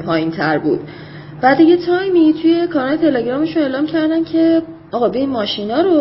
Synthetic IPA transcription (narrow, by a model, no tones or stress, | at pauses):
pʰɒːjint̪ʰæɾbṵːd̪̥ | væd̪iɡet̪ʰɒjmit̪ʰuje̞kʰɒːɾɒːlet̪ʰe̞leɟɾɒːme̞ʃune̞ːlɒːmcʰæɾd̪æncʰe̞ | ɒːɣɒbeinmɒːʃinɒːɾo